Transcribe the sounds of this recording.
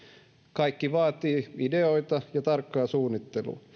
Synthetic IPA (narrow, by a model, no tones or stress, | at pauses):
kɑikːiʋɑːt̪iːideoit̪ɑjɑt̪ɑrkːɑːsuːnːit̪ːelṵː